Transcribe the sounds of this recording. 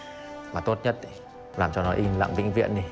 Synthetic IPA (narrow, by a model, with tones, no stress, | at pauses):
maː˨˩t̪o˦˥t̚ɲə˦˥t̚i˨˦ | laː˨˩mt͡ɕɔ˧nɔ˨˦ʔi˧nla̰ː˧˨ŋvḭ˧˥ŋ̟vḭ˧˨əni˨˩